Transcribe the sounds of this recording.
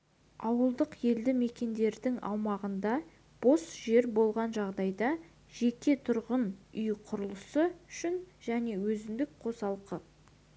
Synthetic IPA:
ɑwəlˠd̪əqje̞ld̪ɪme̞kʲe̞nd̪e̞ɾd̪ɪŋɑ̰wmɑʁənd̪ɑ | b̥o̞sʒe̞ɾbo̞lˠʁɑnʒɑʁd̪ɑjd̪ɑ | ʒe̞kʲe̞t̪ʰʊɾʁənʏjqʰʊɾəlˠəsəʏʃɪnʒ̥æne̞wɵzɪnd̪ɪk̚qʰo̞sɑlˠqə

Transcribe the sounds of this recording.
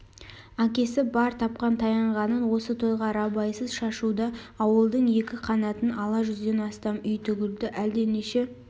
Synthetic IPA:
ɑŋkʲe̞sɪbɑɾt̪ʰɑp̚qɑnt̪ʰɑjɑɴʁɑnənwo̞sət̪ʰo̞jʁɑɾɑbɑjsəzʃɑʃud̪ɑɑwəlˠd̪əɴje̞kʲɪqʰɑnɑt̪ənɑlˠɑʒʏzd̪e̞nɑst̪ɑmʏjt̪ʰʏɡʲɪld̪ɪʔæld̪e̞neʃe̞

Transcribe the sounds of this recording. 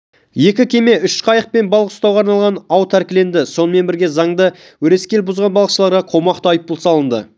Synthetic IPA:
je̞kʲɪkʲʰe̞me̞ʏʃqʰɑjəq̚pe̞nbɑlˠəqʊ̥st̪ɑwʁɑɾnɑlˠʁɑnɑwt̪ʰæɾkʲɪle̞nd̪ɪso̞nəme̞nbɪɾɡʲe̞zɑɴd̪ə | wɵɾe̞skʲe̞lbʊzʁɑnbɑlˠəqʃəlˠɑɾʁɑqʰo̞mɑqt̪ɑjəp̚bʊlˠsɑlˠənd̪ə̰

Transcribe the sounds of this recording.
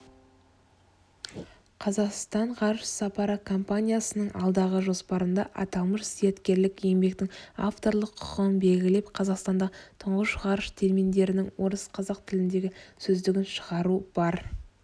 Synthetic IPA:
qʰɑzɑqst̪ɑɴʁɑɾʃsɑpɑɾəkʰo̞mpanʲijasənəɴɑ̰lˠd̪ɑʁəʒo̞spɑɾənd̪ɑʔɑt̪ɑlˠməʃsijat̪kʲe̞ɾlɪkje̞mbe̞k̚t̪ɪŋa̰ft̪o̞ɾlˠəqʰʊ̥qənbe̞lɡʲɪle̞pqʰɑzɑqst̪ɑnd̪ɑt̪ʰʊɴʁəʃʁɑɾʃt̪ʰelmind̪e̞ɾɪnɪŋwo̞ɾəsqʰɑzɑqt̪ʰɪlɪnd̪e̞ɡʲɪsɵzd̪ɪɡʲɪnʃəʁɑɾub̥ɑɾ

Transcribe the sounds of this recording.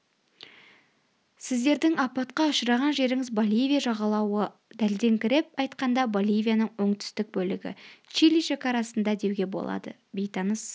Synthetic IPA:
sɪzd̪e̞ɾd̪ɪŋɑpɑt̪̚qɑʊʃəɾɑʁɑnʒe̞ɾɪŋɪzbolʲijvʲijaʒɑʁɑlˠɑwə | d̪æld̪e̞ŋkʲɪɾe̞p̚ɑjt̪qɑnd̪ɑbolʲijvʲijanəɴwo̞ɴt̪ʰʏ̥st̪ɪk̚bɵlɪɡʲɪ̰t͡ʃilijʃekɑɾɑsənd̪ɑd̪e̞wɡʲe̞bo̞̰lˠɑ̰d̪ə̰ | be̞jt̪ɑnəs

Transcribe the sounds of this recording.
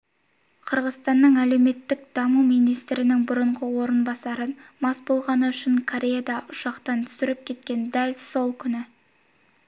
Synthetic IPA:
qʰəɾʁəzst̪ɑnːəɴæle̞wme̞t̪ːɪk̚d̪̥ɑmumijnijst̪ɾɪnɪŋbʊɾəɴʁəwo̞ɾənbɑsɑɾənmɑsbo̞lˠʁɑnəʏʃɪŋkʰoɾʲe̞jad̪ɑʔʊʃɑqt̪ɑnt̪ʰʏ̥sɪɾɪp̚kʲʰe̞t̪̚kʲe̞nd̪ælso̞lˠkʲʰʏnɪ

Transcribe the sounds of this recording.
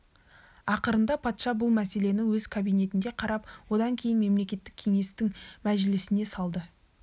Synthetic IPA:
ɑqəɾənd̪ɑpʰɑt̪ʃɑbʊlˠmæse̞le̞nɪwɵz̥kʰabijne̞t̪ɪnd̪e̞qʰɑɾɑpwo̞d̪ɑŋkʲʰe̞jɪnme̞mle̞kʲe̞t̪ːɪkʲʰe̞ŋe̞st̪ɪŋmæʒɪlɪsɪne̞sɑlˠd̪ə

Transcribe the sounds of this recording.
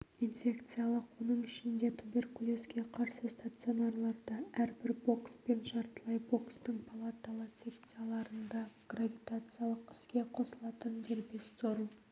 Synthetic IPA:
infʲe̞kt̪sɨjalˠəqwo̞nəɴɪʃɪnd̪e̞t̪ʰube̞rkulʲˠoskʲe̞qʰɑɾsəst̪at̪sɨo̞narlˠɑɾd̪ɑæɾbɪɾbo̞kspe̞nʒɑɾt̪əlˠɑjbo̞kst̪əɴpʰalˠat̪alˠəsʲe̞pt̪sɨjalˠɑɾənd̪ɑɡ̥ravʲit̪at̪sɨjalˠəqɪ̥skʲe̞qʰo̞səlˠɑt̪ənd̪e̞ɾbe̞st̪oɾm

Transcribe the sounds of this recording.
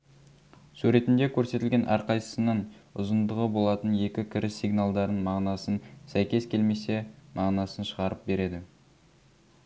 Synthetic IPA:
suɾe̞t̪ɪnd̪e̞kʲʰɵɾse̞t̪ɪlɡʲe̞nʔæ̰ɾqʰɑjsə̥sənəɴʊ̰zənd̪əʁəbo̞lˠɑt̪ənje̞kʲɪkʲʰɪɾɪsiɡnalˠd̪ɑɾənmɑʁnɑsənsæjkʲe̞skʲe̞lme̞se̞mʔɑʁnɑsənʃəʁɑɾəp̚be̞ɾe̞d̪ɪ

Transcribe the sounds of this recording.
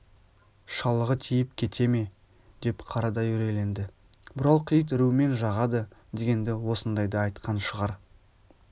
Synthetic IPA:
ʃɑlˠəʁət̪ʲʰijɪp̚kʲʰe̞t̪ʰe̞me̞ | d̪̥e̞pqʰɑɾɑd̪ɑjʏɾe̞le̞nd̪ɪ | bɪɾɑlˠqʰijət̪̬ɪɾume̞nʒɑʁɑd̪əd̪e̞ɡʲe̞nd̪ɪwo̞sənd̪ɑjd̪ɑːjt̪qɑnʃəʁɑɾ

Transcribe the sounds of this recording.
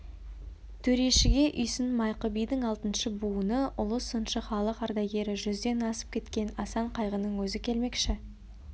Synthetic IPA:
t̪ʰɵɾe̞ʃɪɡʲe̞ʔʏjsɪnmɑjqəbijd̪ɪɴɑlˠt̪ənʃəbuənəʔʊlˠəsənʃəχɑlˠəqɑɾd̪ɑjɡʲe̞ɾɪʒʏzd̪e̞nɑsə̥p̚kʲʰe̞t̪kʲe̞nɑsɑɴqʰɑjʁənəɴwɵzɪkʲʰe̞lme̞kʃɪ

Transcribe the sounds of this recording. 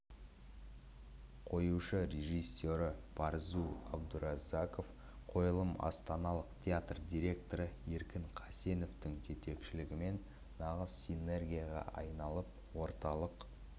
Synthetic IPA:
qʰo̞juʃəɾe̞ʒijsːo̞ɾəpʰɑɾzuɑbd̪ʊɾazako̞f | qʰo̞jəlˠəmɑ̰st̪ɑnɑlˠəqt̪ʲʰejat̪rd̪ʲiɾʲe̞kt̪o̞ɾəeɾkʲɪŋqʰɑse̞no̞ft̪ɪŋd͡ʒʰe̞t̪e̞kʃɪlɪɡʲɪme̞nː | ɑʁəzsine̞rɡʲijaʁɑ̰ʔɑ̰jnɑlˠəp̚ | wo̞ɾt̪ɑlˠəq

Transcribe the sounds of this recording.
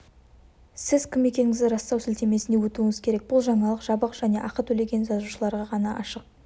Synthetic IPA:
sɪzkʲʰɪmːe̞kʲe̞ŋɪŋɪzd̪ɪɾɑst̪ɑwsɵlt̪e̞me̞sɪne̞wɵt̪uɪŋɪzkʲʰe̞ɾe̞k̚bʊlˠʒɑɴɑlˠəqʒ̥ɑbəqʒ̥æne̞ʔɑqət̪ʰɵle̞ɡʲe̞nzɑzuʃəlˠɑɾʁɑʁɑnɑʔɑʃəq̚

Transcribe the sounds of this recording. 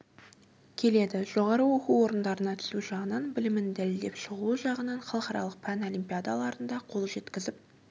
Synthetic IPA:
kʲʰe̞le̞d̪ɪʒ̥o̞ʁɑɾəwo̞quwo̞ɾənd̪ɑɾənɑt̪ʰʏ̥suʒɑʁənɑnbɪlɪmɪnd̪ælɪld̪e̞pʃəʁuʒɑʁənɑɴχɑlˠqɑɾɑ̰lˠəq̚pʰæno̞lijmpʲijad̪alˠɑɾənd̪ɑqʰo̞lˠʒe̞t̪kʲɪzɪp̚

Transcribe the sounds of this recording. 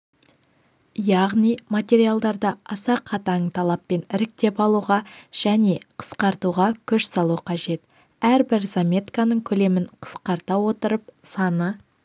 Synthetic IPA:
jɑʁnijmat̪ʲe̞ɾijalˠd̪ɑɾd̪ɑɑsɑqʰɑt̪ɑɴt̪ʰɑlˠɑpːe̞nɪɾɪk̚t̪e̞pɑlˠuʁɑʒ̥æne̞qʰə̥sqɑɾt̪uʁɑkʲʰʏʃsɑlˠuqʰɑʒe̞t̪ | æɾbɪɾzamʲe̞t̪kanəɴkʲʰɵle̞mɪɴqʰə̥sqɑɾt̪ɑwo̞t̪əɾəp̚sɑnə

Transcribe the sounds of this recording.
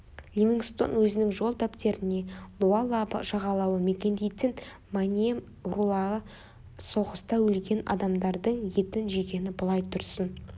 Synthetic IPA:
lʲimʲinɡst̪o̞̰nwɵzɪnɪŋʒo̞lˠd̪apt̪e̞ɾɪne̞lˠualˠabə̰ʒɑʁɑlˠɑwəme̞kʲe̞nd̪e̞jt̪ɪn | manʲiem | rulˠɑʁə | so̞ʁəst̪ɑwɵlɡʲe̞nɑ̰d̪ɑmd̪ɑɾd̪əɴje̞t̪ɪnʒeɡʲe̞nɪbəlˠɑjt̪ʰʊɾsən

